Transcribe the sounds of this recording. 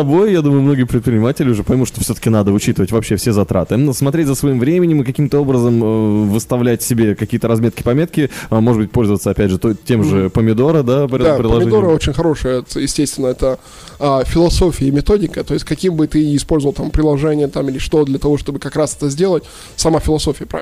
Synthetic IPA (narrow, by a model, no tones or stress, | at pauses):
t̪ɐbo̞jjad̪uməjʊmno̞ɡʲɪjəpɾʲɪt̪pɾʲɪnʲɪmatʲɪlʲɪʊʐɛpəjmut̪ʂt̪ofsʲɵt̪ə̥kʲɪnad̪əʊt͡ɕit̪ɨvətʲvɐpɕːe̞fsʲezɐt̪ɾa̰t̪ɨsmɐt̪ɾʲetʲzəsvɐimvɾʲemʲɪnʲɪmɨkɐkʲimt̪əo̞bɾəzəməvɨst̪ɐvlʲætʲsʲɪbʲekɐkʲijət̪əɾɐzmʲet̪kʲɪ̥pɐmʲe̞t̪̚kʲɪmoʐɨd̪bɨt̚ʲpo̞lʲzəvət̪səɐpʲædʲʐɨt̪otʲːe̞mʐɨpəmʲɪd̪o̞ɾəd̪apɾʲd̪apɾɪləɐʐmɪd̪oɾəot͡ɕɪnʲxɐɾo̞ʂɨjəɛt̪jɪsʲtʲesʲt̪vʲɪnːəɛt̪ə | afʲɪlˠɐso̞fʲɪjəmʲɪt̪o̞dʲɪkət̪o̞jɪsʲtʲkɐkʲimbɨt̪ɨɪspo̞lʲzəvəlˠt̪ampɾʲɪlˠɐʐɛnʲɪjət̪amilʲɪʂt̪o̞t̪d̪lʲət̪ɐvo̞ʂt̪o̞bɨkɐkɾasɛ̥t̪əzʲdʲe̞lˠətʲ | sɐmafʲɪlˠɐso̞fʲɪjəpɾa̰ɪ